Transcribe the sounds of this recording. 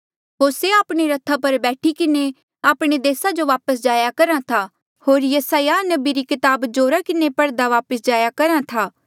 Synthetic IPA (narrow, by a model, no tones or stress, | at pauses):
ɦoːɾseaːpɽ̃eɾɐt̪ʰːapɐɾbɛːʈʰikɪne | aːpɽ̃ed̪eːsad͡ʒoʋaːpəsd͡ʒaːjakɐɾãt̪ʰa | ɦoːɾjɐsaːjanɐbiɾikɪt̪aːbd͡ʒoːɾakɪnepɐɽd̪aʋaːpəsd͡ʒaːjakɐɾãt̪ʰaː